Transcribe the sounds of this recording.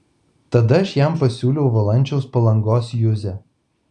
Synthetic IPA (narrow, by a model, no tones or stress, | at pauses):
t̪ɐd̪ɐɐʃjæˑmpɐsʲuːlʲɛʊʋɐlˠɐnʲt͡ʃʲɛʊspɐlˠɐŋɡoːsjʊzʲɛ